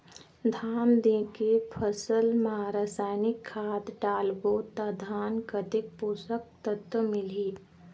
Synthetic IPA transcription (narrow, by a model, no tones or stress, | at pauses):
d̪ʱaːnd̪ẽːkepʰəsəlməɦaɾaːsaːjnɪkʰːaːd̪ɖaːlʋot̪ad̪ʱaːnkət̪ɪk̚puːsək̚t̪ət̪əmɪliː